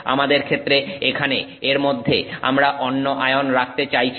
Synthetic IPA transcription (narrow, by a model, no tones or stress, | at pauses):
a̰mad̪eɾkʰet̪ːɾeekʰane | eɾmod̪ʱːea̰mɾaʔɔnːoʔaeonɾak̚ʰt̪et͡ɕajt͡ɕʰ